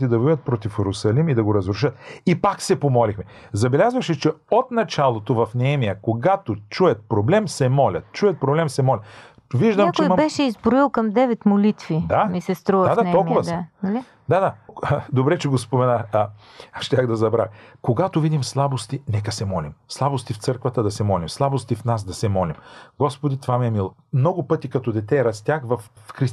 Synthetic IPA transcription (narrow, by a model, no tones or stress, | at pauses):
t̪id̪ɐvɔət̪̚pɾɔt̪ifɛɾʊsɐlimid̪ɐɡoɾɐzɾʊʃ̬ət̪̚ipaksɛpomɔlixmɛzɐbɛlʲazvɐʃɛt͡ʃɛot̪nɐt͡ʃalˠot̪ovɐfnɛɛmijəkoɡat̪ot͡ʃuɛt̪̚pɾoblɛmsɛmɔlʲɐ̰t̪̚t͡ʃuɛt̪̚pɾoblɛmsɛmɔlʲɐt̪ | viʒd̪əmat͡ʃɛjmɐbɛʃɛizbɾoilˠkɐmd̪ɛvɛt̪molit̪vid̪amisɛst̪ɾuəad̪aɔlˠkʊvɐsɐli | d̪ad̪ad̪obɾɛt͡ʃɛɡospomɛnax | ʃt̪ʲaxd̪ɐzɐbɾaxkoɡat̪ovid̪imslˠabost̪inɛkɐsɛmɔlimslˠabost̪ift̪sɤɾkvɐt̪əd̪ɐsɛmɔlimslˠabost̪ifnas̬d̪ɐsɛmɔlimɡɔspod̪it̪vamiɛmilˠ | mnɔɡʊpɤt̪ikɐt̪ɔd̪ɛt̪ɛɾɐst̪ʲjaxvɐffxɾis